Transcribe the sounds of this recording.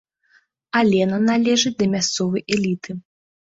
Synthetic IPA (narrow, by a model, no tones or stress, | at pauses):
alʲɛnɐnalʲɛʐɨd̪ɐmʲast̪sɔvɐjʔɛlʲit̪ɨ